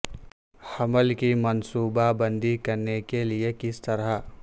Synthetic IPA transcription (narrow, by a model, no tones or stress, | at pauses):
həməlkimənsuːbabənd̪ʱikəɾnekeliekɪst̪əɾa